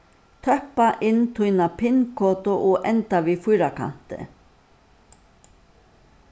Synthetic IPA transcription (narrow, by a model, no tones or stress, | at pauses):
t̪ʰœhpaʔɪnːt̪ʰujnapʰɪnkʰɔːt̪ʊʔɔʔɛnt̪aʋifʊjɾakʰa̰n̥t̪ɪ̰